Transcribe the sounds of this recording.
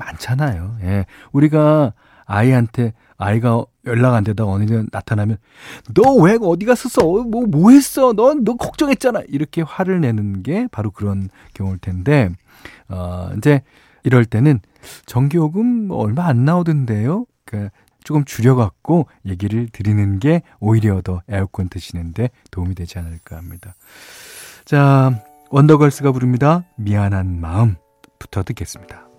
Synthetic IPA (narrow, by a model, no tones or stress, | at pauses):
mant͡ɕʰanajoje̞uɾiɡa | aiɦantʰe̞ | aiɡa | jʌɭːaɡandedaɡaʌnɯʌnatʰanamjʌn | nʌwe̞ʌdiɡas͈ʰɯsʰʌmʌmoɦes͈ʌnʌnʌkok̚t͡ɕ͈ʌŋe̞t̚t͡ɕ͈anaiɾʌkʰe̞ɸwaɾɯɭne̞nɯnɡe̞paɾokɯɾʌn | kjʌŋuɾɯɭtʰe̞nde̞ | ʌḭd͡ʑe̞ | iɾʌɭt͈e̞nɯn | t͡ɕʌŋɡioɡɯmʌɭmaanːaodɯnde̞jo | k͈a | t͡ɕ͈okɯmt͡ɕuɾjʌɡak̚k͈o | je̞ɡiɾɯɭtɯɾinɯnɡe̞ | oiɾjeʌdʌeokʰʌntʰɯɕʰinɯnde̞ | toumidwe̞d͡ʑianɯɭk͈ahamɲida | t͡ɕa | wʌndʌɡʌɭs͈ɯɡapuɾɯmɲidamianɦanmaɯm | pu̥tʰʌtɯk͈e̞s͈ɯ̥mɲid̥ḁ